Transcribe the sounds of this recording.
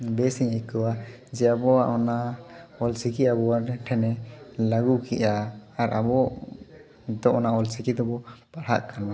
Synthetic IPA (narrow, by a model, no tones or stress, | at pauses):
bɛsiɲajkɔwad͡ʒɛabɔaʔɔnaɔlsikiabɔaɾʈʰɛnɛlaɡukiʔaːɾabɔ | d̪ɔʔɔnaɔlsikid̪ɔbɔb̥aɽ̤a̰ʔkana